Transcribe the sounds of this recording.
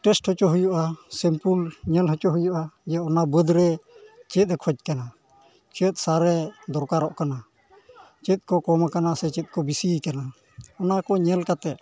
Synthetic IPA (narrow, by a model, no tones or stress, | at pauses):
ʈɛsʈhɔt͡ʃɔɦujuʔasɛmpulɲɛlɦɔt͡ʃɔɦujuʔajaɔnabəd̪ɾɛt͡ʃɛt̪̚ˀɾɛkʰɔd͡ʒ̚kana | t͡ʃət̪̚ˀsaɾɛd̪ɔɾkaɾɔʔkana | t͡ʃɛt̪̚ˀkɔkɔmakanasɛt͡ʃɛt̪̚kɔbisikana | ɔnakɔɲɛlkat̪ɛʔ̪̚